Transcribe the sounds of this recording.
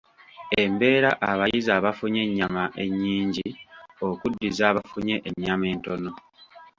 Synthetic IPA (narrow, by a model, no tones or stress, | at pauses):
e̞mbe̞ːɾaʔaβajizaːβafuɲe̞ɲːamaʔḛɲːiːɲɟio̞kudːizaːβafuɲe̞ʔeɲːame̞ːnto̞no̞